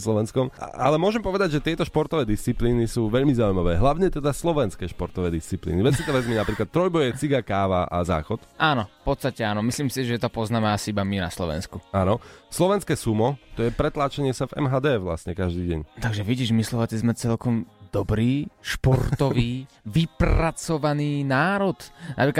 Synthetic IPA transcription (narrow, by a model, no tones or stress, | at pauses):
slɔʋɛnskɔm̰a̰lɛmʊɔʒɛmpɔʋɛd̪aɟʒɛt̪ɪɛt̪ɔʃpɔɾt̪ɔʋɛːd̪ist͡sipliːnisuːʋɛʎmizaːujmaʋɛːɦlaʊɲɛt̪ɛd̪aslɔʋɛnskɛːʃpɔɾt̪ɔʋɛːd̪ist͡siplḭːniʋɛsit̪ɔʋɛzminapɾiːklat̪ːɾɔjbɔjɛt͡siɡakaːʋaʔa̰za̰ːxɔt̪ʔaːnɔfpɔt̪st̪acɛaːnɔmisliːmsiʒɛt̪ɔpɔznaːmɛasiibamina̰slɔʋɛ̰nskuanɔslɔʋɛnskɛːsumɔt̪ɔjɛpɾɛt̪laːt͡ʃaɲɪɛsavɛ̰mɦaːd̪ɛːʋla̰sɲɛkaʒd̪iːɟɛ̰ɲt̪aɡʒɛʋiɟiːʒmislɔʋat͡sizmɛt͡sɛlkɔmd̪ɔbɾiːʃpɔɾt̪ɔʋiː | ʋipɾat͡sɔʋaniːnaːɾɔt̪na̰pɾiːka